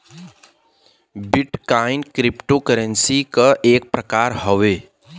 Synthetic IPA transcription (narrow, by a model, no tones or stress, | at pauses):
bɪʈkaːɪnkɾɪpʈokəɾə̃nsikaʔeːk̚pɾɐkaːɾɦoʋeː